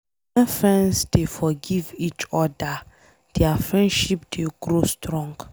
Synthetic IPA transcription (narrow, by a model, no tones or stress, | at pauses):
wɛ̃nfɹɛ̃nsd̥efɔɡivit͡ʃɔda | d̥ɛafɹɛ̃ndʃipd̥eɡɾostɹɔ̃ŋɡ